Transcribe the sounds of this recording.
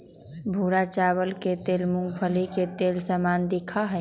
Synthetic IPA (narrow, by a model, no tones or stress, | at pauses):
bʱuːɾat͡ʃaːwəlket̪eːlmʊ̃ŋɡpʰəliket̪eːlsamaːnd̪ɪkʰaɦɛː